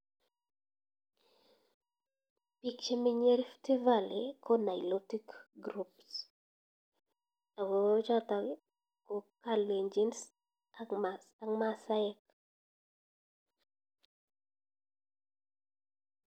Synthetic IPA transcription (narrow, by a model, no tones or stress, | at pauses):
pikt͡ʃemiɲeɾftivalɪkɔnaɪlotikɡɾups | aɡɔd͡ʒata | kɔkaleɲd͡ʒins | aa | aŋmasaɛk